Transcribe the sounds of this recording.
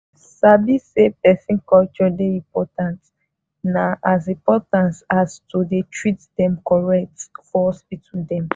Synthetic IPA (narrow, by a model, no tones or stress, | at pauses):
sabisepɛsĩnkɔlt͡ʃɔdeĩmpɔtãnt | naʔazĩpɔtãnsastudetʰɹitdɛ̃mkɔɹɛk̚tfɔɔsbitʰĩdɛ̃m